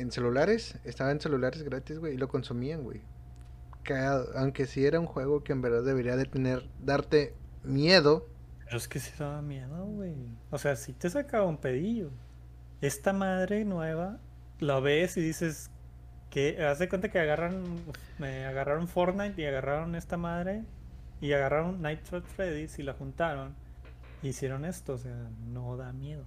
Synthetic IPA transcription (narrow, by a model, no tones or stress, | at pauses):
ense̞lulaɾe̞sest̪aβaense̞lulaɾe̞zɣɾat̪izɣwe̞jilo̞ko̞nsumiaŋɡwḛj | kaɣaðo̰ʔawŋke̞sie̞ɾaunxwe̞ɣo̞ke̞ːmbe̞ɾðaððe̞βe̞ɾiaðe̞t̪e̞ne̞ɾðaɾt̪e̞mje̞ðo̞ | d͡ʒoeskesi̥ðaβamjeðoɣwejose̞asit̪esakaβaumpeðiʝo | e̞st̪amað̞ɾe̞nwe̞βa | laβe̞siðise̞s | keazðekwe̞nt̪̬akeaɣaran | eaɣaraɾo̞ɱfo̞ɾnajt̪iaɣaraɾo̞ne̞st̪amaðɾe̞ | iaɣaraɾo̞nːajt̪fɾot̪fɾeðisilaxunt̪aɾo̞n | iisje̞ɾo̞ne̞st̪oːs̬e̞ano̞ðamje̞ðo̞